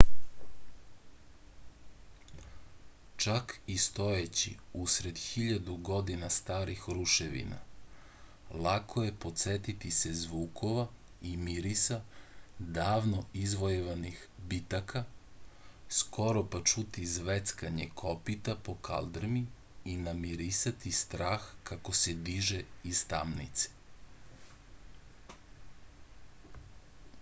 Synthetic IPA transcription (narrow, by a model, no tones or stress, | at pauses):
t͡ʃakist̪o̞jet͡ɕḭusɾe̞d̪xiʎad̪uɡo̞d̪inast̪aːɾixɾuʃeʋḭna̰ | lˠakʰoje̞po̞t̪set̪it̪ise̞zʋuːkʰo̞ʋa | imiɾisad̪aːʋnoizʋojeʋanixbit̪akʰa | skʰo̞ɾopat͡ʃut̪izʋet̪skaɲekʰo̞pit̪apo̞ka̰ld̪ɾmi | inamiɾisat̪ist̪ɾaːxkako̞sed̪iʒeist̪a̰mnḭt̪se̥